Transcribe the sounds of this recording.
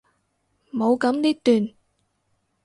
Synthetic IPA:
mo˨˧wkɐ˨˥mliː˥k̚t̪yː˨˩n

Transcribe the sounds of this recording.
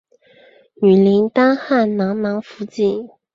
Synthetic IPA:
ny˨˩li˧˥ŋt̪a˥nxa˥˩nnɑ˧˥ŋnɑ˧˥ŋfu˧˥t͡ɕi˥˩

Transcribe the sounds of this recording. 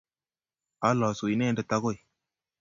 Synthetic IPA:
a˦lɔ˨su˨i˨ne˦ndə˨ta˦ko˦˨j

